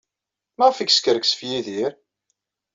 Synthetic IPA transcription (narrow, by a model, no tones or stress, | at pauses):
mæʁfiɡskəɾəksə̥fjiðiɾ